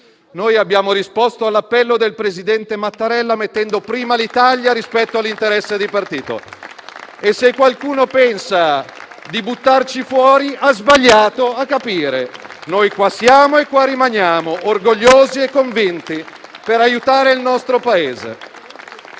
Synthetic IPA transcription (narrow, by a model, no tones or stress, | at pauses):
nojabːjaːmoɾispost̪oalːapːɛlːod̪elpɾezid̪ɛnt̪emat̪ːaɾɛlːamet̪ːɛnd̪opɾiːmalit̪aʎjaɾispɛt̪ːoalːint̪eɾɛsːed̪ipart̪iːt̪o̰ | esːekːwalkuːnopɛnsad̪ibut̪ːart͡ʃifwɔːɾiazbaʎːaːt̪oakːapiːɾenojkwasjaːmoekːwarːimanjaːmoʔorɡoʎːoːziekːoɱvint̪ipeɾajut̪aːɾeilnɔst̪ɾopaeːzḛ